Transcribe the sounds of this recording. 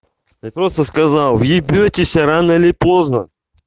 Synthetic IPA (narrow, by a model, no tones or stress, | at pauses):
apɾost̪əskɐzalˠvjɪbʲotʲɪsʲɐɾanəɪlʲɪpo̞znə